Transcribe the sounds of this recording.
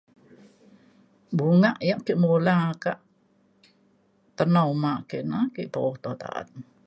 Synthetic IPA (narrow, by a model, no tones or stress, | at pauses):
buŋaʔjaʔkiʔmolakaʔ | t̪ənamaʔkeʔnakiʔt̪oht̪ot̪a̰ʔa̰t̚